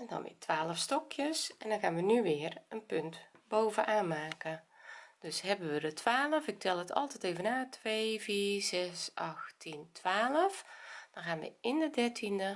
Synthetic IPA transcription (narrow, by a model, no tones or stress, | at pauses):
ɛndɔ̰nʋɪ̰ːətʰʋaːləfstɔkʰjəsɛndɔnɣaːnʋənyʋɪːrənpɵntbowvənʔaːnmaːkəd̥øsɦɛbənʋədətʰʋaːləfɪk̚tʰɛlˠətʰɑ̰lˠtɛteːvənaːtʰʋeːviːzɛsʔɑxtʰintʋaːləfd̥ɔnɣaːnʋə̰ɪndədɛɹtʰində